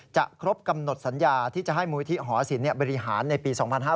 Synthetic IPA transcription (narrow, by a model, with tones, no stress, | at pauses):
t͡ɕa̰˨˩kʰɾo˦˥p̚ka˧mno˨˩t̪̚sa˩˦njaː˧t̪ʰiː˥˩t͡ɕa˨˩ɦa˥˩jmuː˧i˦t̪ʰi˦˥ɦɔː˩˦˩si˨˩˦nːi˥˩əbɔː˧ɾi˧˥ɦaː˩˦nːa˧jpiː˧sɔː˩˦ŋpʰa˧nɦaː˥˩